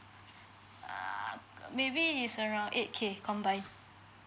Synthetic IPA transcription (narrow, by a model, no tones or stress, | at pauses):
mebiːsəɹãw̃nʔḛt̚kʰekʰɔ̃mbãjn